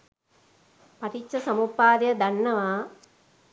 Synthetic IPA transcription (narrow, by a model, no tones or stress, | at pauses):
pɐʈʰit͡ʃːɐsɐmupːaːd̪jɐd̪ɐnːɐʋaː